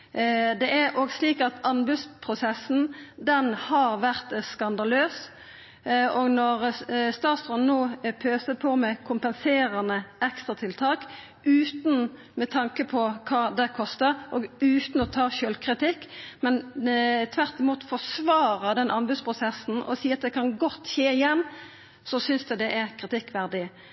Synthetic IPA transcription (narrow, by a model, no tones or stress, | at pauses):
d̪ɛʔæɾoɡsliːkɑt̪ɑnbʉd̪spʰʁʊsɛsn̩d̪ɛnhɑɾʋæʁt̪skɑnd̪ɑløːs | ɔɡnɔʁst̪ɑːt̪sʁɔnnoːpʰøːsəpʰɔmɛkʰʊmpənseːɾɑnəʔɛkst̪ʁɑt̪ʰɪlt̪ʰɑːk | ʉːt̪n̩ | mɛt̪ʰɑŋkəpʰɔkʰɑːd̪ɛkʰɔst̪əɾʔɔɡʉːt̪n̩ɔt̪ʰɑːʃøːlkʰʁɪt̪ɪkːmɛnt̪ʰʋæʁt̪ɪmuːt̪fɔsʋɑːɾəd̪ɛnʔɑmbʉd̪spʰʁʊsɛsn̩ɔ̰siːɑt̪d̪ɛkʰɑnɡɔt̪ːçeːɪjɛnː | sɔsʏnsd̪ɛd̪ɛʔɛɾkʰʁɪt̪ɪkːʋæʁd̪ɪ